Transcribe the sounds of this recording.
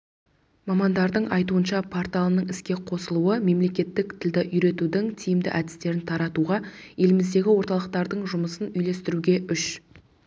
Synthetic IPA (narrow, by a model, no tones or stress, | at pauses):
mɑmɑnd̪ɑɾd̪əɴʔɑjt̪uənʃɑpʰort̪alˠənəɴɪskʲe̞qʰo̞səlˠuəme̞mle̞kʲe̞t̪ːɪk̚t̪ʰɪld̪ɪʔʏjɾe̞t̪ud̪ɪŋt̪ʰijɪmd̪ɪ̰ʔæd̪ɪst̪e̞ɾɪnt̪ʰɑɾɑt̪uʁɑje̞lɪmɪzd̪e̞ɡʲɪwo̞ɾt̪ɑlˠəq̚t̪ɑɾd̪əɴʒʊməsənʏjle̞st̪ɪɾuɡʲe̞ʔʏʃ